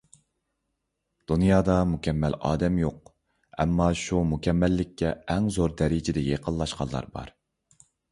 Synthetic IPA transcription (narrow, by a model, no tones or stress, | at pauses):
d̪̥unjɑːd̪ɑmukʲɛmːɛlɑ̰ːd̪ɛmjoq̚ | ɛ̰mːɑʃumukʲʰɛmːɛlːɪkʲʰːɛːŋzoɾd̪ɛɾɪd͡ʒɪd̪ɛjeqʰəlˠlːˠɑʃqɑnˠɑ̰ɾbɑ̰ɾ